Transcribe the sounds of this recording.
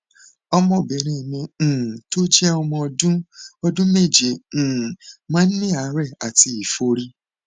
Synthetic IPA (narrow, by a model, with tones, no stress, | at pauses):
ɔ˧mɔ̃˦˨bɛ˨ɾ̃ĩ˧i˨mĩ˧˨to˦d͡ʒɛ˦ɔ˧mɔ̃˧ɔ˧dũ˦ɔ˧dũ˦me˦˨d͡ʒẽ˨˦˨mãː˦nĩ˦a˨˦ɾɛ˦˨a˨ti˧i˨fo˧ɾi˧